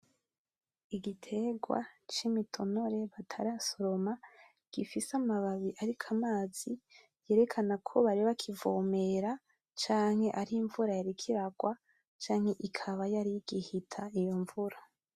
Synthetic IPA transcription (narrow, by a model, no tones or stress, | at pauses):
iɡitʰe̞ɡwa̰t͡ʃimitʰo̞no̞ɾe̞βatʰaɾasoɾo̞ma | ɡ̥ifisamaβaβiʔaɾikʰamaːz̥i | je̞ːɾe̞kʰanakʰo̞βaɾiβakʰivoːme̞ɾa | t͡ʃaːŋhe̞ʔaɾiɱvuɾajaɾikʰiɾaɡwa | t͡ʃaːŋ̥he̞ʔikʰaβajaɾiɡihitʰaijo̞ɱvuɾa